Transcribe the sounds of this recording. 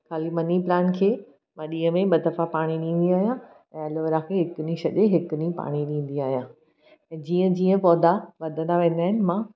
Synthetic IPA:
kʰaːlimɐniplaːnkʰeː | mãɗĩːɦə̃mẽɓɐd̪ɐfapaːɽ̃iɗĩːn̆d̪iaːɦijã | ɛ̰̃ɐloʋəɾãkʰeːɦɪkʊnĩʃɐʄeɦɪkʊnĩpa̰ːɽ̃iɗĩːn̆d̪iaːɦijãː | ɛ̃ːd͡ʑiːə̃d͡ʑiːə̃pɔːd̪ʱaʋɐd̪ʱə̃nd̪aʋẽːn̆d̪aːɦɪnɪ̆mãː

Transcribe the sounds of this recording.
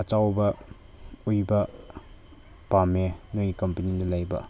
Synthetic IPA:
ɐt͡ʃawbɐ | ujbɐ | pamenojikɐmpɐnidɐlajbɐ̰

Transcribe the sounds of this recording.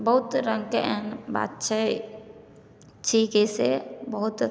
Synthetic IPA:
bəɦʊt̪ɾə̃ŋɡkeʔɛnba̰ːt̪t͡ʃʰɛ | t͡ʃʰikesḛbəɦʊt̪

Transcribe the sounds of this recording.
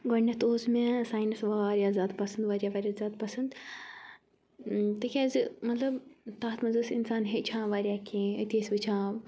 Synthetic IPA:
ɡɐnːɐt̪oːzmesaːjnɐsʋaːɾjazʲaːd̪pɐsɐnd̪ʋaːɾʲjaːʋaːɾʲjaːzʲaːd̪̚pɐsɐnd̪ | t̪ɨkʲazmɐt̪lɐbt̪aːt̪mɐzɨsinsaːnɦet͡ʃʰãːʋaːɾʲjaːkʲʰẽːət̪eːsʲʋɨt͡ʃʰãːʋ

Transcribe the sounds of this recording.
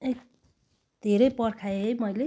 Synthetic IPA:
ek | d̪ʱeɾʌjpʌɾkʰaejmʌjle

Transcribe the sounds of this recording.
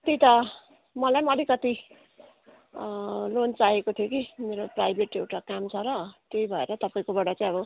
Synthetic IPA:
kʌt̪it̪ʌ | mʌlajmʌlikʌt̪i | lont͡saɦekot̪ʰjokimeɾoprajbʱeʈewʈakamt͡sʰʌɾʌt̪ejbʱʌḛɾʌt̪ʌpaĩkobʌɽat͡saĩʌbʌ

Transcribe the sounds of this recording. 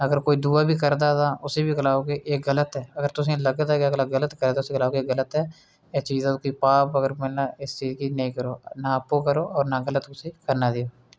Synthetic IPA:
əɡəɾkoːiːd̪uːaːbʱiːkəɾd̪aːt̪ãːʔʊseːbiːɡəlaːoːkeːʔeːɡələt̪ɛːəɡəɾt̪ʊsĩːləɡd̪aːkəɡlaːɡələt̪kəɾd̪aːʊsẽːɡəlaːoːɡeeɡələt̪ɛː | et͡ʃiːzãːkoːiːpaːpəɡəɾmɛnaːɪst͡ʃiːzkiːnəĩːkəɾoːnaːəpːoːkəɾoːɔːɾnaːɡələt̪ʊsĩːkəɾnaːd̪eːoː

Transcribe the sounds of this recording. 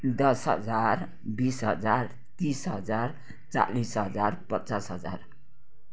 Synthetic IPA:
d̪ʌsɦʌ̰d͡zaɾ | bisɦʌd͡zaɾ | t̪isɦʌd͡zaɾ | t͡sa̰lisɦʌd͡zaɾpʌtːsasɦʌd͡za̰ɾ

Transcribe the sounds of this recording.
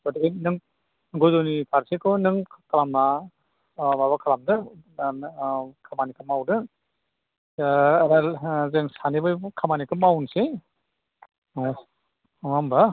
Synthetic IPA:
bɔdiɡinɯŋ | ɡojzonipʰaɾsekʰɯwnɯŋkalamna | baβakʰalamdɯ | kʰamanikɯmawdɯ | ɾazeŋsanibɯjkʰamanikɯmawnse | ŋamba

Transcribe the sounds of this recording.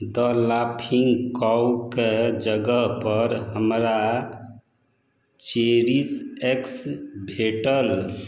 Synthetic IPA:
d̪əlapʰiŋɡkɔwked͡ʒəɡəɦpəɾɦəmɾa | t͡ʃeɾiseksbʱeʈəl

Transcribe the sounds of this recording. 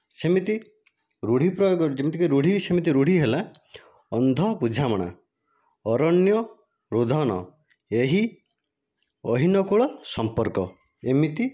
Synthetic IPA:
semit̪i | ɾuɽ̤ipɾɔjoɡɔɾd͡ʒemit̪ikiɾuɽ̤isemit̪̬iɾuɽ̤iɦela | ɔnd̪ʱɔpud͡ʒʱamɔɽ̃a̰ | ɔɾɔnjɔ | ɾud̪ʱɔñɔ̰ | eɦi | ɔɦinɔkuɭɔsɔmpɔɾkɔ | emit̪i

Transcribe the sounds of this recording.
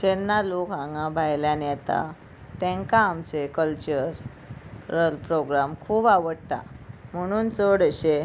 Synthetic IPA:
t͡ɕenːalokɦãŋɡãbʱajljanjɛt̪a̰ | t̪ɛ̃ŋkãːmt͡sekəlt͡ɕəɾː | əlpɾoɡɾamkʰuːbaʋəɽt̪a̰m̤əɽ̃uːnt͡soɽɕe

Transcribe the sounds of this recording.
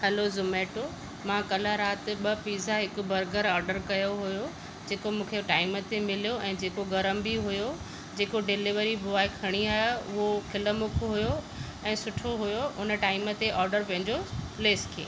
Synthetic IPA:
hɛlozʊmeːʈo | mãkɐlaɾaːt̪ɪ̆ɓɐpiːzaɦɪkʊbʱɐɾɡəɾɔːɾɖəɾkɐjoɦʊjo | d͡ʑeːkomũːkʰeʈaːɪmət̪emɪlijoɛ̃ːd͡ʑeːkoɡɐɾəmbiɦʊjo | d͡ʑeːkoɖɪlɪʋəɾibʊaːekʰɐɽ̃iaːɦeʊɦokʰɪləmʊkʰoɦʊjo | ɛ̃ːsʊʈʰoɦʊjoʊnəʈaːɪmət̪eʔɔːɾɖəɾpɛ̃ɦɪ̃ɲd͡ʑopleːskʰeː

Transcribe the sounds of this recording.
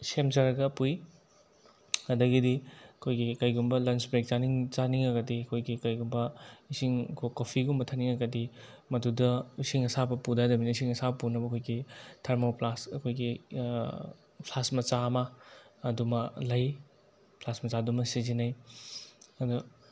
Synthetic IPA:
semzɐɾɐɡɐpuj | ɐdɐɡidiɐkʰojɡikɐjɡumbɐlɐnsbɾek̚t͡ʃaniŋt͡ʃaniŋɐɡɐdiɐkʰojɡikɐjɡumbɐisiŋɐkʰokopʰiɡumbɐtʰɐniŋɐɡɐdi | mɐdudɐisiŋɐsabɐpudadɐminɐisiŋɐsabɐpunɐbɐkʰojɡitʰeɾmoplasɐkʰojɡi | pʰlasmɐt͡ʃamɐːdumɐlɐj | pʰlasmɐt͡ʃadumɐsizinɐj | ɐdu

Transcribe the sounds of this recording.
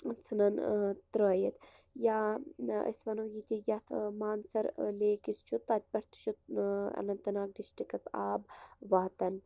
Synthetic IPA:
t͡sʰɨnɐnt̪ɾəːjɐt̪ | jaːɐ̰sʋɐnoːjit̪ʲijɐt̪ʰmaːnsɐɾleːkist͡ʃʰut̪ːɐt̪̚ʲpʲɐɾt̪t͡ʃʰut̪ɐ̰nɐnt̪ɐnaːk̚diʃʈikɐsa̰ːbʋaːt̪ɐn

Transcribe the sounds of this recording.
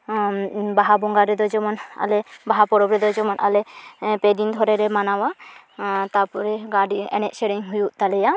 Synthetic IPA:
baɦabɔŋɡaɾɛd̪ɔd͡ʒɔmɔna̰lɛbaɦapɔɾɔbɾɛd̪ɔd͡ʒɔmɔnʔa̰lɛpɛd̪ind̪ʱɔɾɛɾɛmanawa | t̪apɔɾɛɡaɖiɛ̰nɛt̚sɛɽiŋɦujuʔt̪alɛja

